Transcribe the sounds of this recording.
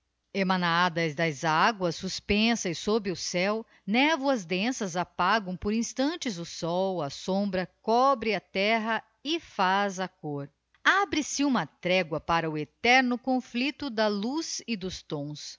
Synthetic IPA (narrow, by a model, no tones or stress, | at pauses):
emɐ̃nad̪ɐzd̪ɐzaɡwɐsːuspẽsɐjsobɾɪʊsɛw | nɛvwɐzd̪ẽsɐzapaɡɐ̃w̃poɾĩst̪ɐ̃nt͡ʃɪzʊsɔwɐsõmbɾɐkɔbɾɪɐt̪ɛɦɐ | ɪfazɐkoɾ | abɾɪsɪũmɐt̪ɾɛɡwɐpaɾɐʊet̪ɛɾnʊkõflit̪ʊd̪ɐluzɪd̪ʊst̪õw̃s